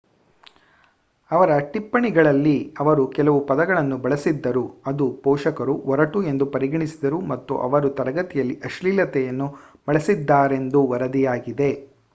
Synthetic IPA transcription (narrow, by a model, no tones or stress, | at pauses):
ɐʋɐɾɐʈipːɐɳiɡɐɭɐlːiɐʋɐɾukɛlɐʋupɐd̪ɐɡɐɭɐnːubɐɭɐsid̪ːɐɾuɐd̪upɔːʂɐkɐɾuɔɾɐʈue̞nd̪upɐɾiɡɐɳisid̪ɐɾumɐt̪ːṵʔɐ̰ʋɐɾut̪ɐɾɐɡɐt̪ijɐlːiʔɐʃliːlɐt̪ɛjɐnːu | b̥ɐɭɐsid̪ːaːɾe̞nd̪uʋɐɾɐd̪ijaːɡid̪e̞